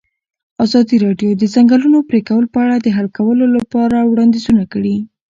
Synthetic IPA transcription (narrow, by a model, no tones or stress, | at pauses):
ɑzɑd̪iɾɑɖjod̪əzaŋɡəlunopɾekawəlopəaɽad̪əɦalkawəlolapɑɾawɽɑnd̪izunakəɽi